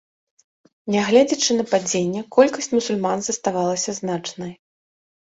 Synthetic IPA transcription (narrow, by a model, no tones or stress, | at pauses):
nʲɛɣlʲɛd͡zʲɐt͡ʂɨnɐpad͡zʲenʲːɛkɔlʲkɐsʲt͡sʲmusulʲmanzɐst̪avalˠɐsʲɐznat͡ʂnɐj